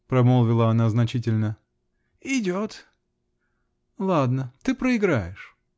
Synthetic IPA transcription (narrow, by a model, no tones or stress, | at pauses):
pɾɐmolˠvʲɪlˠəɐnaznɐt͡ɕitʲɪlʲnə | ɪdʲot̪ | lˠad̪nət̪ɨpɾəɪɡɾajɪʂ